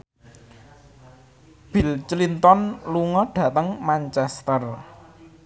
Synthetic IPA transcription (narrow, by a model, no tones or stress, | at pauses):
b̥ilt͡ʃlint̪ɔnluŋɔɖ̥ä̤t̪əŋmant͡ʃɛst̪ər